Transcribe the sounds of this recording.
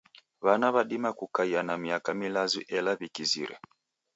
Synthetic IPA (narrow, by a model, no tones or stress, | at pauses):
βanaβaɗimakukaianamiakamilaziʔɛlaβikizḭɾɛ̰